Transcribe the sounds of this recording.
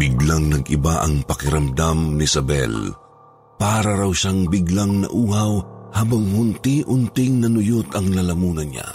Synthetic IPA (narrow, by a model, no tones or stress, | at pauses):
bɪɡlaŋnɐɡʔɪ̰baʔɐŋpɐkɪɾɐmd̪amnɪsɐbɛ̰l | paːɾɐɾawʃaŋbɪɡlaŋnɐ̰ʔuːhɐwhaːbɐŋhʊnt̪iʔʊnt̪ɪŋnɐnʊjʊt̪ɐŋlɐlɐmuːnɐnɲa̰